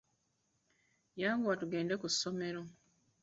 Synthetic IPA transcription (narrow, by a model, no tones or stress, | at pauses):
jaːŋɡuwatuɡe̞ːnde̞kusome̞ɾo